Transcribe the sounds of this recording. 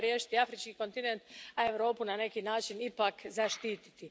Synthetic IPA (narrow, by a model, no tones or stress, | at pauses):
ɾjeːʃi̥t̪iafɾit͡ʃkiko̞nt̪inent̪ae̞ʋɾo̞ːpunane̞kinaːt͡ʃinipakzaʃt̪iːt̪i̥t̪i